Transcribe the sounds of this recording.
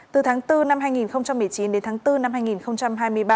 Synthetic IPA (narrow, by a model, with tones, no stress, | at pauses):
t̪ɨ˨˩t̪ʰaː˨˦ŋt̪ɨ˧na˧mɦaː˧jŋi˨˩nxə˧wŋ͡mt͡ɕa˧mːɨ˨˩əjt͡ɕi˨˦nɗe˨˦nt̪aː˨˦ŋt̪ɨ˧na˧mhaː˧jŋi˨˩nxə˧wŋ͡mt͡ɕa˧mɦaː˧jmɨ˧əjɓaː˧